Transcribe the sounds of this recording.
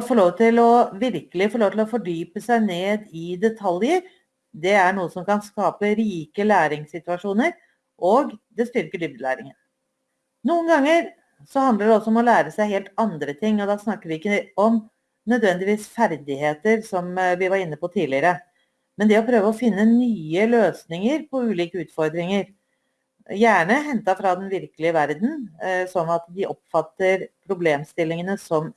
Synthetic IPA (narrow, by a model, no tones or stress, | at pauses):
fɔɭoːʋt̪ʰɪlɔʋɪɾkəlɪfɔɾɭoːʋt̪ʰɪlɔfɔɖyːpəsæɪneːd̪ɪd̪ɛt̪ʰɑljəɾ | d̪ɛæɳuːəsɔmkɑnskɑːpəɾiːkəlæːɾɪŋsɪt̪ʉɑʂuːnəɾ | ʔoɡd̪ɛst̪ʏɾkəɖʏb̚d̪əlæ̰ːɾɪŋən | nuːənɡɑŋːəɾ | sɔhɑnd̪əɖɛɔsːɔɔmɔlæːɾəsæɪheːlt̪ɑnd̪ɾət̪ʰɪŋːɔd̪ɑːsnɑkːəɾʋɪɪkːəɔm | nœd̪ʋɛnd̪ɪʋiːsfæɾd̪ɪheːt̪əɾsɔmʋɪʋɑɾɪnːəpɔt̪ʰiːlɪəɾə | mɛnd̪ɛɔpʰɾøːʋəɔfɪnːənyːəløːsnɪŋəɾpʰɔʉːliːkəʉːt̪fɔɾd̪ɾɪŋəɾ | jæːɳəɦɛnt̪ɑfɾɑd̪ɛnʋɪɾkəlɪəʋæɾd̪n̩sɔnɑt̪d̪ɪʔɔpfɑt̪ːəɾpʰɾʊbleːmst̪ɪlːɪŋənəsɔm